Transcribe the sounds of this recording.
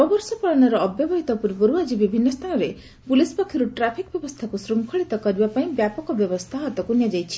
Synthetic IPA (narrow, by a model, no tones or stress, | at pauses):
ɔbɔɾsɔpaɭɔnɔɾɔːbjɔbɔɦit̪ɔpuɾibɔɾuad͡ʒibibʱinːɔst̪ʰanɔɾe | pulispakʰːiɾuʈɾapʰikɔbjɔbɔst̪ʰakusɾuŋkʰɔɭit̪ɔkɔɾibapaĩbjapɔkɔbjɔbɔst̪ʰaɦɔt̪ɔkunjad͡ʒajt͡ʃʰi̥